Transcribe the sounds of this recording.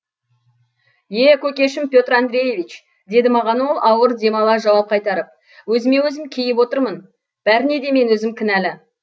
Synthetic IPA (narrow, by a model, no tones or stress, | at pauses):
je̞kʲʰɵkʲe̞ʃɪmpʲjo̞t̪rand̪ɾe̞je̞vijt͡ʃ | d̪e̞d̪ɪmɑʁɑnwo̞lˠʔɑwəɾd̪ʲe̞mɑlˠɑʒɑwɑp̚qʰɑjt̪ɑɾəp̚ | wɵzɪme̞wɵzɪmkʲʰejɪpwo̞t̪əɾmən | b̥æɾɪne̞d̪e̞me̞nwɵzɪmkʲʰɪnælɪ